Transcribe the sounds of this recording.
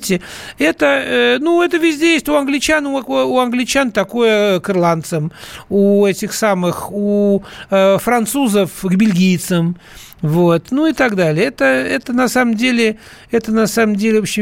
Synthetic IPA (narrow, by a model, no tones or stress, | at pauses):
tʲɪɛt̪əənuɛt̪əvʲɪzʲdʲejesʲtʲʊɐnɡlʲɪt͡ɕanʊkuɐnɡlʲɪt͡ɕant̪ɐkojəkɨrlˠant̪səmuɛtʲɪxsamɨxu | fɾɐnt̪suzəfɡbʲɪlʲɡʲijt̪səm | vo̞t̪nuɪt̪aɡd̪alʲɪəɛt̪əɛt̪ənɐsaməmdʲelʲɪ | ɛt̪ənɐsaməmdʲelʲɪvopɕɪ